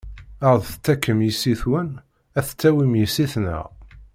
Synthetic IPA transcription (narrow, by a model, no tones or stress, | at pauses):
əʁðθt͡sːækːəmjisiθwən | æθt͡sːæwimjəsːiθnə̰ʁ